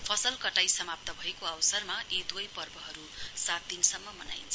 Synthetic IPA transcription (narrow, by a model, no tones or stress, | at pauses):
pʰʌsʌlkʌʈajsʌmap̚t̪ʌbʱʌekoawsʌrmaʔed̪wʌjpʌrbʌɦʌɾusat̪̚d̪insʌmːʌmʌna̰jnt͡sʰ